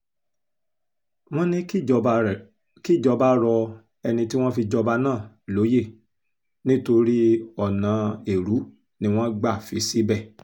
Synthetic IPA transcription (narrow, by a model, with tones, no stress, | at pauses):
w̃ɔ̃˦nĩ˦ | ki˦˨d͡ʒɔ˧ba˦ɾɔ˧ | ɛ˧nĩ˧ti˦w̃ɔ̃˦fi˧d͡ʒɔ˧ba˧nãː˦˨ | lo˨˦je˦˨ | nĩ˦to˧ɾi˦ɔ˦˨nã˨˦e˨ɾu˨˦ | nĩ˦w̃ɔ̃˦ɡ͡ba˦˨fi˧˦si˨˦bɛ˦˨